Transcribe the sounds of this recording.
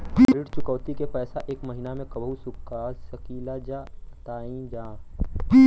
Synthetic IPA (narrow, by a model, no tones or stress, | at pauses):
ɾɪɽt͡ʃʊkəʋt̪ikepɛːsaʔeːkmɐɦɪnamẽkɐbɦusʊkːasɐkiːlad͡ʒat̪aːĩd͡ʒãː